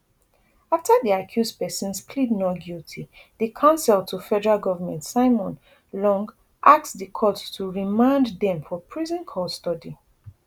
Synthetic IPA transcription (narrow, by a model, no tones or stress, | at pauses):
aftəðiakʰjuzdpɛsɔ̃nspʰlidnɔɡjultʰiðəkʰãʊ̃nsɛltʰufɛdəɹalˠɡɔvəmɛ̃ntsaɪmɔ̃n | lɔ̃ŋɡ | ʔak̚sðəkʰɔttʰuɹimãndðɛ̃mfɔpʰɹizɔ̃nkʰɔstɔdi